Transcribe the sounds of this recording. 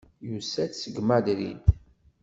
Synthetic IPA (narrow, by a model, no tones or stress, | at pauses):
jusæt͡ssəɡmæd̪ɾḭnt̪